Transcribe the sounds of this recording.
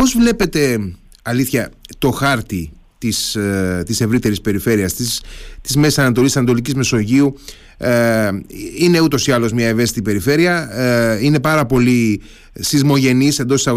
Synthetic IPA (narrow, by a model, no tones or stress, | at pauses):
po̞zvle̞pe̞t̪e̞ | ɐliθçɐt̪o̞xɐɾt̪i | t̪ist̪ise̞vɾit̪e̞ɾispe̞ɾife̞ɾiɐst̪ist̪izmessɐnɐt̪o̞lissɐnɐt̪o̞licizme̞so̞ʝiu | ine̞ut̪o̞siɐlo̞zmɲɐe̞ve̞st̪it̪ipe̞ɾife̞ɾiɐine̞pɐɾɐpo̞li | sizmo̞ʝe̞nise̞nd̪ot̪sɐ